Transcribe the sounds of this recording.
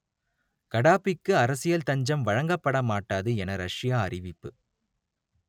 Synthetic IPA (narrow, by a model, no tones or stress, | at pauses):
kɐɽaːpɪkːɯɐɾɐsɪjɐlt̪ɐɲd͡ʒɐmʋɐɻɐŋɡɐpːɐɽɐmaːʈːaːðɯɛnɐɾɐʂɪjaːɐrɪʋɪpːɯ